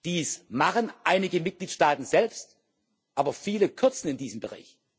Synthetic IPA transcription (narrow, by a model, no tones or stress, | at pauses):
d̥iːsmaχənʔaɪnɪɡəmɪt̚ɡ̥liːtʃtaːtn̩zɛlpst | ʔaːbɐfiːləkʰʏɐt͡sn̩ɪndiːzəm̩bəʁa̰ɪç